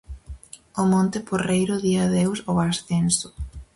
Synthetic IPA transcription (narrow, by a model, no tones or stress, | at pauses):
ʊmont̪ɪporejɾʊðiaðewsoasθensʊ̥